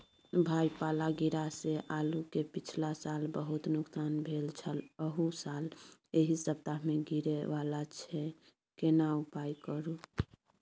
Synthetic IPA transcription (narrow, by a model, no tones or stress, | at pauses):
bʱajpalaɡiɾaseʔalukepit͡ʃʰlasalbəɦut̪nuksanbʱelt͡ʃʰələɦusaleɦisəb̚t̪ameɡiɾeʋalat͡ʃʰɛ | kenaupajkəɾu